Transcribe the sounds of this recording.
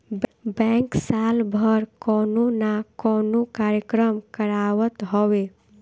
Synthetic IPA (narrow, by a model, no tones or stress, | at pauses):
bɛ̃ŋksalbʱəɾkɔːnonakɔːnokaːɾjəkɾəmkəɾaʋət̪ɦoʋe